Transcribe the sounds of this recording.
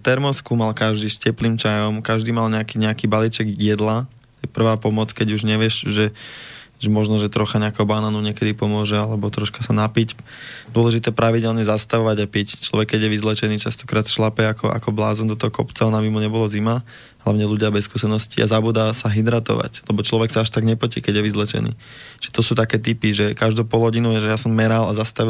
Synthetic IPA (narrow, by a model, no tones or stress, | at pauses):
t̪ɛɾmɔskuːmalkaʒd̪iːscɛpliːmt͡ʃajɔmkaʒd̪iːmalɲɛakiːɲɛakiːbalit͡ʃɛɡjɛd̪la | ɛpr̩ʋaːpɔmɔt͡skɛɟuʒɲɛʋɪɛʃʒɛ | ʒɛmɔʒnɔʒɛt̪ɾɔxaɲɛakɛbanaːnuɲɪɛkɛd̪ipɔmʊɔʒɛalɛbɔt̪ɾɔʃkasanapic | d̪ʊɔlɛʒit̪ɛːpɾaʋiɟɛlɲɛzast̪aʋɔʋaɟapict͡ʃlɔ̰ʋɛkkːɛɟjɛʋizlɛt͡ʃɛniːt͡ʃast̪ɔ̥kɾaːt̪ʃlapɛakɔʔa̰kɔbla̰ːzɔnd̪ɔt̪ɔɦɔkɔ̰pt͡saɔnabimuɲɛbɔlazima | ɦlaʊɲɛluɟɪabɛskuːsɛnɔscḭʔa̰zabuːd̪asaɦid̪ɾat̪ɔ̰ʋa̰clɛbɔt͡ʃlɔʋɛksaaʃt̪aɡɲɛpɔcḭkɛɟjɛʋizlɛt͡ʃɛ̰nḭː | ʒ̥ɛt̪ɔsuːt̪akɛːt̪̬ipiʒɛkaʒd̪uːpɔlˠɦɔɟinuʒɛjasɔmːɛɾalazast̪a